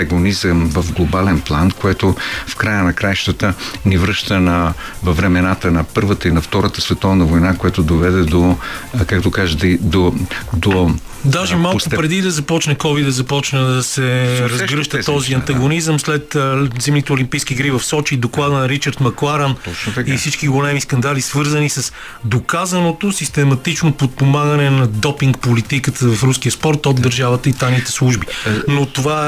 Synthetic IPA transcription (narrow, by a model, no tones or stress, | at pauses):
ɐɡonizəmvɐvɡlˠobalɛnplˠankoɛt̪ofkɾajənɐkɾajʃt̪ət̪ənivɾɤʃt̪ənɐ | vɐvɾɛmɛnat̪ənɐpɤɾvət̪əinɐft̪ɔɾət̪ə̥svɛt̪ɔvnəvojnakojat̪od̪ovɛd̪ɛd̪okakt̪okaʒəd̪d̪od̪o | d̪aʒɛmalkʊpɾɛd̪id̪ɐzɐpɔt͡ʃnɛkɔvid̪ɐzɐpɔt͡ʃnəd̪ɐsɛɾɐzɡɾɤʃt̪ət̪ːɔziɐnt̪ɐɡonizəmslɛt̪zɛmnit̪ɛolimpijskʲiːɡɾivɐfsɔt͡ʃid̪oklˠad̪ənɐɾit͡ʃəɾt̪mɐklˠaɾənifsit͡ʃkiɡolɛmiskɐnd̪alisvɤɾzənisɐs | d̪okazənot̪osist̪ɛmɐt̪it͡ʃnopot̪̚pomaɡɐnɛnɐd̪ɔpiŋkpolit̪ikət̪ʰəvɐfɾuskiəspɔɾt̪od̪ːəɾʒavət̪əit̪ajnit̪ɛslˠuʒbinot̪ova